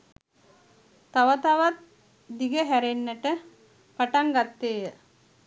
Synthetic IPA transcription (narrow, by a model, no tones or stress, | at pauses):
t̪aʋət̪aʋat̪̚ | d̪iɡəɦæɾenːəʈə | paʈaŋɡat̪ːeːjə